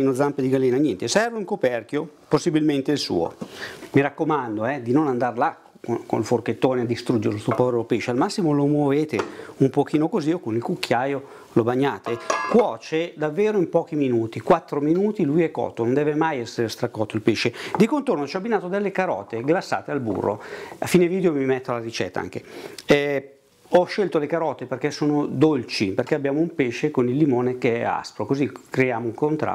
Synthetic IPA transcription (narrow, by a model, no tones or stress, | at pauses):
inod̪zamped̪iɡalːiːnanjɛnt̪esɛrvoiŋkopɛrk̟joposːibilment̪eilsṵːo̰miɾakːomand̪oɛd̪inonand̪arla | koko̰nforket̪ːoːnead̪ːist̪ɾud͡ʒeɾelost̪upɔɾelopeʃːealmasːimolomwoveːt̪eumpok̟iːnokoziokonilkukʰːjaːjo | lobaɲːaːt̪ekwɔːt͡ʃed̪avːeːɾoimpɔːk̟iminuːt̪ikwat̪ːɾominuːt̪ilujɛkːɔ̰ːt̪ːonond̪ɛːvemajɛsːeɾest̪ɾakːɔt̪ːoilpeːʃːed̪ikont̪ornot͡ʃiɔbːinaːt̪od̪elːekaɾɔ̰ːt̪eɡlasːa̰ːt̪ealbṵrːo̰afːiːneviːd̪eomimɛt̪ːoalaɾit͡ʃɛ̰t̪ːa̰a̰ŋk̟eɛ | ɔʃːɛlt̪olekaɾɔːt̪eperkɛsoːnod̪olt͡ʃiperkɛabjaːmoumpeʃːekonilːimoːnekeɛa̰spɾokozikɾejaːmouŋkont̪ɾa̰